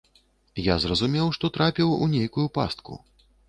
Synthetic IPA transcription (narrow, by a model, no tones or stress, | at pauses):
jazrɐzumʲɛwʂt̪ɔt̪ɾapʲiwunʲejkujupa̰st̪kṵ